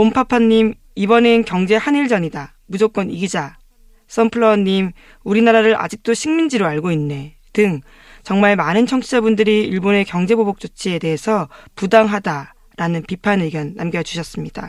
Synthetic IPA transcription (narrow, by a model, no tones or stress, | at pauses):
ompʰapʰanːim | ibʌnenkjʌŋd͡ʑe̞haniɭd͡ʑʌɲida | mud͡ʑok͈wʌniɡid͡ʑa | s͈ʌmpʰɯɭːʌɲːim | uɾinaɾaɾɯɾʔa̰d͡ʑik̚t͈oɕʰiŋmind͡ʑiɾoaɭɡoinːe̞ | tɯŋ | t͡ɕʌŋmaɭmanɯnt͡ɕʰʌŋt͡ɕʰid͡ʑabundɯɾiiɭbone̞kjʌŋd͡ʑe̞bobok̚t͡ɕ͈ot͡ɕʰie̞de̞ɦesʰʌpudaŋɦada | ɾanɯnpipʰanɯɡjʌnːa̰mɡjʌʌt͡ɕu̥ɕʰʌs͈ɯmɲida